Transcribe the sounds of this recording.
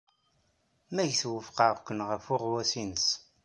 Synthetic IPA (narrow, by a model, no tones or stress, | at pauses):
mæʝθwəfqɑʁkʷːənʁəfʊʁwæsinəs